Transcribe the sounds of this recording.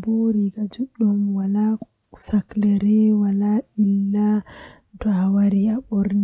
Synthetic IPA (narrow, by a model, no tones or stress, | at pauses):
boɾiɡad͡ʒuɗɔmwala | saklɛɾɛwalaʔilːa | tɔawaɾiaɓɔɾni